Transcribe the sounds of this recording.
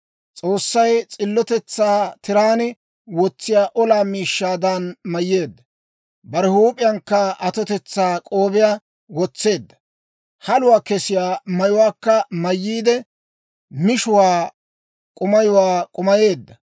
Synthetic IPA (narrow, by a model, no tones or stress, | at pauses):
t͡sʼoːsːɐjt͡sʼɪlːɔt̪ɛt͡sːaːt̪ɪɾaːnɛ | wɔt͡sːɪjaːʔɔlaːmiːʃːaːd̪anmɐjːe̞ːd̪ːɐ | bɐɾɛhuːpʼɪjɐŋkːɐɐt̪ɔt̪ɛt͡sːaːkʼoːbɪjaː | wɔt͡sːe̞ːd̪ːɐ̥ | hɐlʊwaːkɛsɪjaːmɐjʊwaːkːɐmɐjːiːd̪ɛ | mɪʃʊwaː | kʼʊmɐjʊwaːkʼʊmɐje̞ːd̪ːɐ